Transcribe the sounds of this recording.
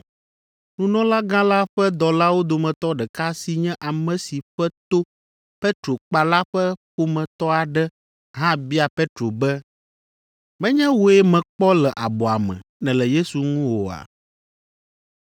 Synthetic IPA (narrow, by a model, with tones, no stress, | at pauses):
nũ˨nɔ̃˦la˦ɡã˦la˦ɸɛ˦d̪ɔ˨la˦wo˦d̪o˨mɛ̃˨t̪ɔ˦ɖɛ˨ka˦si˦ɲɛ̃˦ʔa˨mɛ̃˨si˨ɸɛ˦t̪o˦ | pɛ˦t̪ɾo˨k͡pa˨la˦ɸɛ˦ɸo˦mɛ̃˨t̪ɔ˦a˨ɖɛ˦ | ɦã˦bi˦a˨pe˦t̪ɾo˨bɛ˦ | mɛ̃˦ɲɛ̃˦wo˨ɛ˦mɛ̃˨k͡pɔ˦lɛ˨ʔa˨bɔ˨a˨mɛ̰̃˨nɛ̃˨lɛ˨je˦su˨ŋũ˦wo˨a̰˨